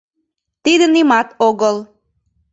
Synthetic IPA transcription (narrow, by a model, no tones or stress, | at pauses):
t̪id̪ənimɑt̪oɣəl